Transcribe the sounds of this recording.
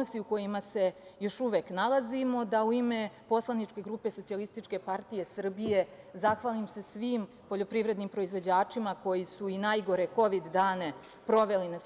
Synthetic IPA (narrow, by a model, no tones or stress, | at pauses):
ost̪iuko̞jimase̞jo̞ʃuʋeknalazimo̞d̪auime̞po̞slˠanit͡ʂke̞ɡɾuːpe̞sotsialist̪it͡ʃke̞paɾt̪ije̞sr̩bije̞ | zaxʋalimse̞sʋiːm | po̞ʎo̞pɾiʋɾe̞d̪nimpɾo̞izʋo̞d͡ʑaːt͡ʂimako̞jisuinajɡo̞ɾeko̞ʋid̪ːaːne̞ | pɾo̞ʋe̞lina